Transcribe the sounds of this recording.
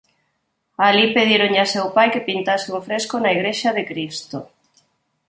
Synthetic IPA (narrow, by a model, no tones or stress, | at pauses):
alipeð̞iɾoŋʎasewpajkepint̪asɪuɱfɾeskonaiɣɾeʃaðekɾist̪o